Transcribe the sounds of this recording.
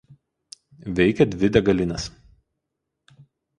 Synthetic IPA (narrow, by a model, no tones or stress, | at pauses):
ʋʲɛɪkʲɛd̪ʲʋʲɪd̪ʲɛɡɐlʲɪnʲɐs